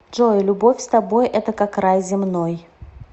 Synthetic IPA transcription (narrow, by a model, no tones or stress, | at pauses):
ʐojlʲʊbofʲst̪ɐbojʔɛt̪əkakrajzʲɪmnoj